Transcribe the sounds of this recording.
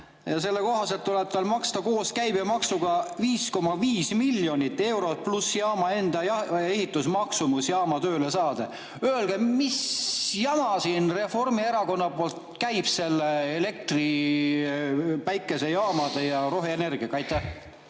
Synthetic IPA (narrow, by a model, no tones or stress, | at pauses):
jɑse̞lːeko̞ɦɑse̞lt̪ːuleb̥̚t̪ɑlmɑkst̪ɑko̞ːskæjbemɑksuɡ̥ɑviːsko̞mːɑviːsmilʲːjo̞nʲit̪ːˑe̞wɾo̞t̪̚plusjɑːmɑe̞nd̪̥ɑjɑehit̪ːˑusmɑksumusjɑːmɑt̪ø̞ːle̞sɑːd̪̥e | øelɡ̥emisjɑmɑsiːnre̞fo̞rmie̞ɾɑko̞nːɑpo̞ːlt̪kæjb̥se̞lːeele̞k̚t̪ri | pæjkːˑe̞se̞jɑːmɑd̪̥ejɑɾo̞ɦeene̞rɡ̥iɑkɑjt̪ːˑæh